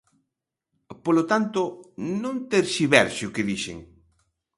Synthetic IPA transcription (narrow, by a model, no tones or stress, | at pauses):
polot̪ant̪onõnt̪eɾsiβɛɾsʊkɪðiʃḛŋ